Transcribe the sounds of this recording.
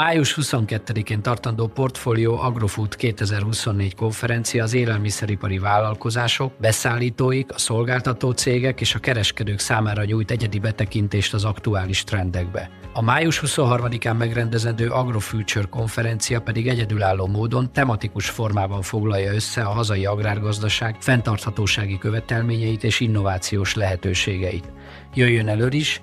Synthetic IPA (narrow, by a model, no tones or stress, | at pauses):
aːjuʃhuso̞ŋkɛt̪ːɛd̪ikeːnt̪ɒrt̪ɒnd̪oːpo̞rt̪foːlijoːʔɒɡro̞fut̪keːt̪ɛzɛrhuso̞nːeːɟko̞ɱfɛɾɛnt̪sijɒːzeːlɛlmisɛɾipɒɾivaːlːɒlko̞zaːʃo̞kbɛsaːlːiːt̪oːjikɒso̞lɡaːlt̪ɒt̪oːt̪seːɡɛkeːʃɒkɛɾɛʃkɛd̪øːksaːmaːɾɒɲuːjt̪ɛɟɛd̪ibɛt̪ɛkint̪eːʃt̪ɒzɒkt̪uaːliʃt̪rɛnd̪ɛɡbɛ̰ɒmaːjuʃhuso̞nɦɒrmɒd̪ikaːmːɛɡrɛnd̪ɛzɛnd̪øːʔɒɡro̞fylt͡ʃørko̞ɱfɛɾɛnt̪sijɒpɛd̪iɡɛɟɛd̪ylaːlːoːmoːd̪o̞nt̪ɛmɒt̪ikuʃfo̞rmaːbɒɱfo̞ɡlɒjːɒøsːɛɒɦɒzɒjiɒɡraːrɡɒzd̪ɒʃaːɡfɛnt̪ɒrt̪hɒt̪oːʃaːɡikø̞vɛt̪ɛlmeːɲɛjit̪eːʃinːo̞vaːt̪sijoːʃlɛɦɛt̪øːʃeːɡɛjḭt̪ | jøjːønɛløːliʃ